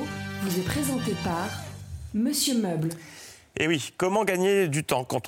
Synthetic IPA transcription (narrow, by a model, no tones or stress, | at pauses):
vuzɛpχezɑ̃t̪epaʁməsjømœbl | ewikɔmɑ̃ɡaɲed̪yt̪ɑ̃kɑ̃t̪